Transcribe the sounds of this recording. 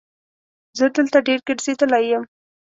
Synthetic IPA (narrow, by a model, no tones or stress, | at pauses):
zəd̪əlt̪aɖeɾkɪʈsed̪əlajəm